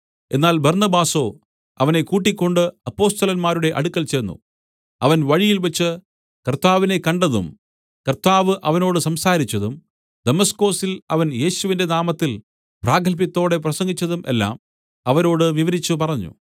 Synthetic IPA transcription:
e̞̰nːaːlbɐrnɐbaːso̞ː | ɐ̰ʋɐne̞kuːʈːikʲːo̞ɳɖɨɐpːo̞ːst̪ɐlɐnmaːɾuɽe̞ʔɐɽukːɐlt͡ɕeːnːṵ | ɐʋɐnʋɐɻijilʋet͡ɕːɨ | kɐrt̪ːaːʋine̞kɐɳɖɐðṵm | kɐrt̪aːʋɨʔɐʋɐno̞ːɽɨsɐmsaːɾit͡ɕːɐðum | d̪̥emɐsko̞ːsilɐʋɐnje̞ːɕuʋinde̞naːmɐt̪ːil | praːɡʱɐlp̬jɐt̪ːo̞ːɽe̞prɐsɐŋɡit͡ɕːɐðumʔe̞̰lːa̰ːm | ɐʋɐno̞ːɽɨʋiʋɐɾit͡ɕːupɐrɐɲːṵ

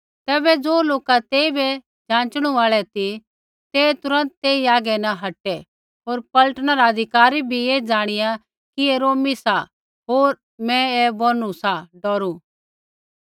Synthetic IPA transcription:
t̪ɛːbɛd͡zoːloːkat̪eːibɛ | d͡ʒãːt͡ʃɽ̃ũaːɭɛt̪i | t̪et̪ʊɾə̃nt̪̚t̪ːeːiaːɡɛnɐɦɐʈɛ | ɦoːɾpɐləʈnaɾaɐd̪ʱɪkaːɾibʱieːd͡ʒaːɽ̃ɪja | kieɾoːmisa | ɦoːɾ | mɛ̃ebonusaɖɔːɾu

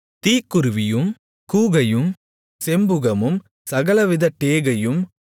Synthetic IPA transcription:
t̪iːkːɯɾɯʋɪjɯm | kuːɣɐjɯm | sɛmbɯɣɐmɯm | sɐɣɐlɐʋɪðɐʈːeːɣɐjɯm

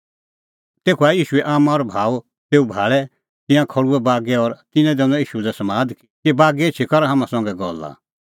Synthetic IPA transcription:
t̪eːkʰuaːjiːʃuɛʔaːmãɔɾbʱaːu | t̪eːubʱaːɭɛ | t̪ɪ̃jãkʰɔɽuɛbaːɡɛɔɾt̪ɪ̃nɛ̃d̪ɛ̃nɔ̃iːʃudɛsɐmãːd̪k | kibaːɡɛet͡ʃʰikɔɾaɦãːmãsɔ̃ŋɡɛɡɔla̰

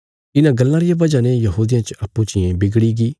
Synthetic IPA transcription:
ɪnãɡɐlːãɾɪjãbɐd͡ʒanejɐɦuːd̪ɪjãt͡ʃɐpːũt͡ʃɪjẽbɪɡɽiɡiː

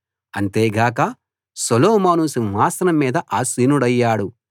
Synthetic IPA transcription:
ɐ̰nt̪eːɡaːkɐ | solɔːmaːnusiʋaːsɐnɐmːiːd̪ɐʔaːsiːnuɽɐjːaːɽu

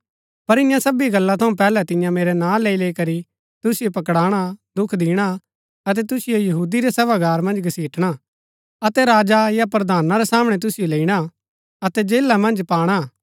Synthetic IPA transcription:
pɐɾɪ̃jãsɐbiɡɐlːat̪ʰɐũpɛːlɛt̪ɪ̃jãmeːɾɛnãːleːileːikɐɾi | t̪ʊsɪjopɐkɽaːɽ̃ad̪ʊkʰd̪ɪːɽ̃a | ɐt̪̬ɛt̪ʊsɪjojɐɦuːd̪iɾɛsɐbaɡaːɾmɐ̃nd͡ʒɡɐsiːʈʰɽ̃a | ɐt̪ɛɾaːd͡ʒajapɾɐd̪aːnaɾɛsaːmɽ̃ɛt̪ʊsɪjoleːiɽ̃a | ɐt̪ɛd͡ʒeːlːamɐ̃nd͡ʒpaːɽ̃a

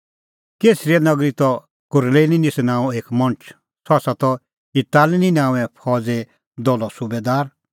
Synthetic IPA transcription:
keːsɾiɛnɐɡɾit̪ɔ | kʊɾleːninɪsnãːũeːkmɔ̃nt͡ʃʰ | sʰɔsat̪ɔ | itaːlninaːũɛ̃pʰɔːd͡zɛ | d̪ɔlɔsubeːd̪aːɾ

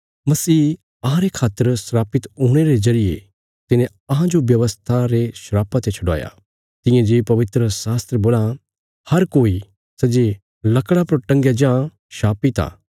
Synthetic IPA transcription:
mɐsiː | ɐɦãɾekʰaːt̪ːəɾsɾaːpɪt̪uːɽ̃eɾezɐɾɪjḛ | t̪ɪnẽ | ɐɦãd͡ʒoʋjɐʋəst̪ʰaɾeʃɾaːpat̪et͡ʃʰɐɽa̰ːja̰ | t̪ɪ̃jẽd͡ʒeːpɐʋɪt̪ɾəsaːst̪ɾeboːla | hɐɾkoːi | sɐd͡ʒe | lɐkɽapɐɾʈɐ̃ŋɡjad͡ʒã | ʃaːpit̪a̰ː

